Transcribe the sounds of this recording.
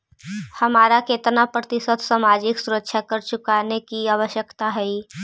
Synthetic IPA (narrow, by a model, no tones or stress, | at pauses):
hɐmaːɾakeːt̪napɾət̪ɪsət̪saːmaːd͡ʒɪksʊɾəkːʃʰjakəɾt͡ʃʊkanekiaːʋəʃjəkt̪aɦɛi